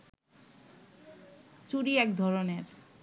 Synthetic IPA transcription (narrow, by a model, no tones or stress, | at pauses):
t͡ɕuɾiɛkd̪ʱɔɾoneɾ